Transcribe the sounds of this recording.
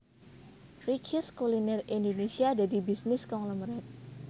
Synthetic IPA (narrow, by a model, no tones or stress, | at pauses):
rikuskulinɛrindonesiadadibisnɪskɔŋləmɾɛt̪̚